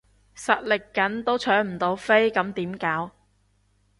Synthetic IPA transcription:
sɐ˨t̚lɪ˨kːɐ˨˥nt̪o˥wt͡ʃʰœː˨˥m̩˨˩t̪o˨˧wfe˥jkɐ˨˧˥mt̪iː˨˥mkaː˨˥w

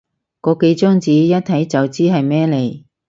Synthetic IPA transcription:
kɔː˧ke˨˧jt͡ʃœː˥ŋt͡siː˨˥jɐ˥t̚t̪ʰɐ˨˥jt͡sɐ˨wt͡siː˥ɦɐ˨jmɛː˥le˨˩j

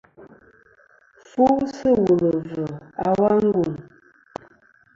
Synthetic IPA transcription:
fu˦sə˦wu˨lə˨və˨a˨wa˦ŋ˦ɡu˨n

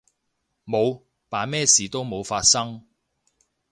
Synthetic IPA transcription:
mo˨˧w | paː˨mɛː˥siː˨˩t̪o˥wmo˨˧wfaː˧t̚sɐ˥ŋ

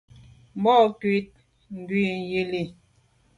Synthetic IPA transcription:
m̩˦bɔ˦˨kwi˦t̚ | ŋ̩˨ɡwi˦˨n˨ji˦li˨

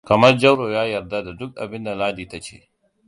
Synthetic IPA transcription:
kɐ˨mɐ˦rd͡ʒɐ˦wɽoː˨jaː˦jɐ˨rda˦da˨dʊ˦k̚ʔa̰˨bɪ˦nda˨laː˦diː˨ta˦t͡ʃḛː˦

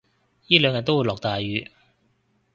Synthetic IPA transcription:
jiː˥lœː˨˧ŋjɐ˨˩t̪̚wu˨˧jlɔː˨˩k̚t̪aː˨jɥyː˨˧

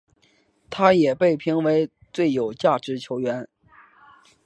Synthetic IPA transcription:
t̪ʰa˥jɛ˨˩pe˥˩ɪpʰi˧˥ŋwe˧˥ɪ | t͡swe˥˩ɪjo˨˩ʊt͡ɕja˥˩ʈ͡ʂɻ̩˧˥t͡ɕʰjo˧˥ʊɥɛ˧˥n

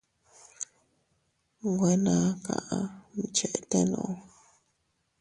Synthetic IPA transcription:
ŋɡʷe˧nã˨˦ka̰˨ʔa˧mi˨t͡ʃe˨ʔt̪e˦nõ̰˨ʔo˧

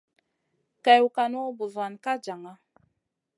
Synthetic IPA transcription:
ka˨ju˨ka˨no˦bu˨za˨nka˦d͡ʒa˨ŋa˦

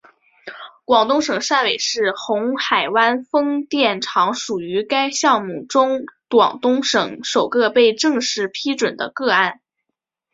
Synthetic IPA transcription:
kwɑ˨˩ŋt̪ʊ˥ŋʂɤ˨˩ŋʂa˥˩nwe˨˩ɪʂɻ̩˥˩xʊ˧˥ŋxa˨˩ɪwa˥nfɤ˥ŋt̪jɛ˥˩nʈ͡ʂʰɑ˧˥ŋʂu˨˩y˧˥ka˥ɪɕjɑ˥˧ŋmu˥˩ʈ͡ʂʊ˥ŋt̪wɑ̰˨˩ŋt̪ʊ˥ŋʂɤ˨˩˥ŋʂo˨˩ʊkɤ˥˧pe˥˧ɪʈ͡ʂɤ˥˧ŋʂɻ̩˥˩pʰi˥ʈ͡ʂwə˨˩nd̪ə˦kɤ˥˧a˥˩n

